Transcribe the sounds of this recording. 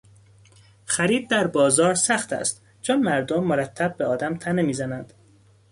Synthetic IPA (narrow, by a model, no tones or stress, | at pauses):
xæɾiːd̪̚d̪æɾbɒːzɒːɾsæxt̪ʰæ̰st̪ | d͡ʒʰɒːnmæɾd̪omːoɾæt̪ʰːæb̚ːeɒːd̪æmt̪ʰænemiːzænænd̪̥